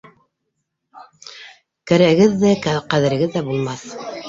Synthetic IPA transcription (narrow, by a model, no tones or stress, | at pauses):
kæɾæ̆ɡɘðːækæqæðɘ̆ɾɘ̆ɡɘðːæbulˠmɑθ